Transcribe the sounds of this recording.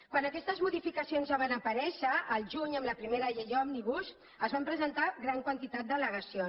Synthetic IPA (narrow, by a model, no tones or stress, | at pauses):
kwanəkɛst̪əzmuðifikəsionzaβanəpəɾɛʃəːlˠʒuɲəmləpɾimeɾəjeʎɔmniβus | əzβampɾəzənt̪aɣɾaŋkwənt̪it̪at̪̚d̪ələɣəsio